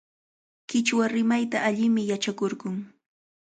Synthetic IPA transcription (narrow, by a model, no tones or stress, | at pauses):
kɪt͡ʃwaɾɪmajt̪aːʎɪmɪjat͡ʃakoɾɢʊŋ